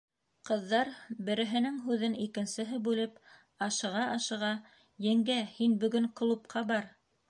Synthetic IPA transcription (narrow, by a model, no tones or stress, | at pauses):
qɤ̆ðːɑɾbɘ̆ɾɘ̆ɦɘ̆nɘŋɦʉðɘnikɘ̆nsɘ̆ɦɘbʉlɘp | ɑʃɤ̆ʁɑʔɑʃɤ̆ʁɑ | jɘ̆ŋɡæhinbɵ̆ɡɘŋq̆lˠup̚qʰɑbɑɾ